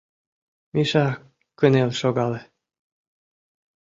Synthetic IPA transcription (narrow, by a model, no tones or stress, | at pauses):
miʃɑ | kə̆nelʲʃoɡɑlĕ